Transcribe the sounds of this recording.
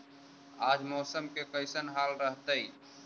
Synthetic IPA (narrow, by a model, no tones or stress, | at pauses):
aːd͡ʒmɔːsəmkekəɪsənɦaːlɾəɦt̪əi